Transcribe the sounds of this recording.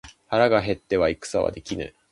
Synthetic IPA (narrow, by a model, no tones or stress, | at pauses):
haɾaɡaɦe̞t̪ːe̞βaikɯ̥saβa̰d̪e̞kʲinɯ̰